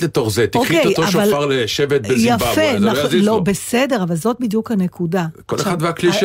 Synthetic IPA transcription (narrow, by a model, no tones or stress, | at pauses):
let̪oχzet̪iokieojtoaʃvalfaʁleʃevet̪̚bezjaaenalobesede̞ʁavalzo̞t̪̚bidjukhane̞kudakoleχad̪veakliʃ